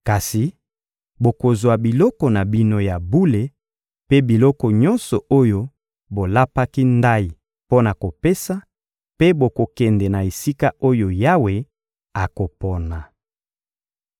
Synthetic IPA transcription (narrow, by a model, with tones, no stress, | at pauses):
ka˨si˨ | bo˨ko˨zwa˨bi˨lɔ˦kɔ˨na˨bi˦no˦ja˨bu˦le˨ | pe˦bi˨lɔ˦kɔ˨ɲɔ̃˦nsɔ˨o˦jo˦ | bo˨la˦pa˦ki˦nda˦i˨ | po˦na˨ko˨pe˦sa˦ | pe˦bo˨ko˨kɛ˨ndɛ˨na˨e˨si˦ka˦ʔo˦jo˨ja˦we˨ | a˨ko˨pɔ˨na˨